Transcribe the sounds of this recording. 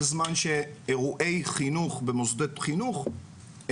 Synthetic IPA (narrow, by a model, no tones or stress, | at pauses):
zmanʃeeʁuʔe̞jχinuχbemozd̪et̪χinuχ